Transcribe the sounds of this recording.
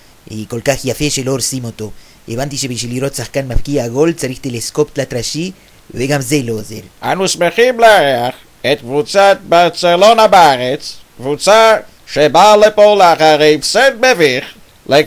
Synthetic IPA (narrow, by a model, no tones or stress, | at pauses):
ḭko̞lkaχjafeʃeloɾsimo̞t̪o̞ | evant̪iʃebiʃ̬viliɾot̪saχkanmafkiaɡo̞lt͡saɾiχt̪elesko̞pt̪lat̪ʁaʃi | veɡamzeloːzḛʁʔanusmeχimleaʁeaχ | et̪̚kvut͡sat̪̚baʁt͡selonabeaʁet͡skvut͡sa | ʃebalepoleaχaʁefsed̪̚beviχ | le